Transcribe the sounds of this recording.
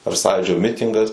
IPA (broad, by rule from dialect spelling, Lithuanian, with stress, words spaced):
ɐr ˈsɑːjuːd͡ʒʲoː ˈmʲɪtʲɪŋɡɐs